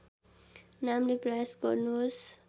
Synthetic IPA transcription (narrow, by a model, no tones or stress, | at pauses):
namleprʌjasɡʌ̰ɾnus